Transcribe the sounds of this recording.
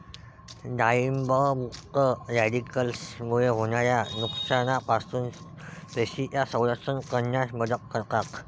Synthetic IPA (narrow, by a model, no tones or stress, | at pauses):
d̪aimbəmukt̪əjad̪ikəlsmuɭeɦonaɾjanuksanapasuːn | t̪eɕitjasə̃w̃d̪asənkənjasməd͡zəkːəɾkat̪